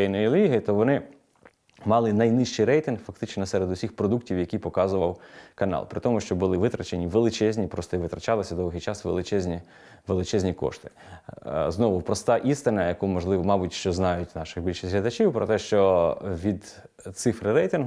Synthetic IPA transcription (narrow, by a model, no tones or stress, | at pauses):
ɛjnɔjilʲiɦɐt̪ɔʋɔnɪ | mɑlˠɪnɐjnɪʃt͡ʃɪjɾɛjt̪ɪnhfɐkt̪ɪt͡ʃnɔsɛɾed̪ʊsʲixpɾɔd̪uktʲiwjɐkʲijpɔkɑzʊʋɐwkɐnɑ̰lˠpɾɪt̪ɔmʊʃt͡ʃɔbʊlˠɪʋɪt̪ɾɐt͡ʃenʲiʋelˠɪt͡ʃɛzʲnʲipɾɔst̪ɔiʋɪt̪ɾɐt͡ʃɑlˠɪsʲɐd̪ɔʋɦɪjt͡ʃɑsʋelˠɪt͡ʃɛzʲnʲi | ʋelˠɪt͡ʃɛzʲnʲikɔ̰ʃt̪ɪ̥ | znɔʋʊpɾɔst̪ɑʔist̪ɪnɐjɐkumɔʒlˠɪʋɔmɑbʊtʲʃt͡ʃɔznɑjʊtʲnɑʃɪɣbʲilʲʃɪsʲɦlʲɐd̪ɐt͡ʃʲiwpɾɔt̪ɛʃt͡ʃɔʋʲid̪ | t̪sɪfɾɪɾɛjt̪ɪnɦ